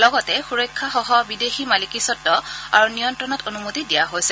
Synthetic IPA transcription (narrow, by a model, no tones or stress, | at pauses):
lɔɡɔtɛxuɹɔjkʰːaxɔɦɔbideximalikisɔtːɔa̰ɹunijɔntɹɔnɔtonumotidijaɦojsɛ